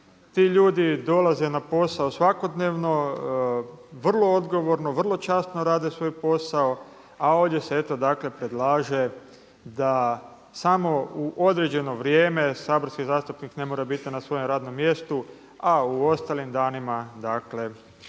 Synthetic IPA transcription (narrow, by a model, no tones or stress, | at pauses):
t̪iʎuːd̪id̪o̞lazenapo̞saosʋako̞d̪neːʋno̞ | ʋr̩lˠo̞od̪ɡo̞ʋo̞ɾno̞ʋr̩lˠo̞t͡ʃaːst̪noɾaːd̪esʋo̞ːjpo̞sao̞ | ao̞ːʋd̪je̞see̞t̪o̞d̪akle̞pɾe̞d̪lˠaːʒe̞ | d̪a | samo̞uʔo̞d̪ɾe̞d͡ʑe̞no̞ʋɾjeːme̞saːboɾskizaːst̪upnikne̞moɾabit̪inasʋo̞jomɾaːd̪no̞mːje̞st̪u | auo̞st̪aːlimd̪aːnimad̪akle̞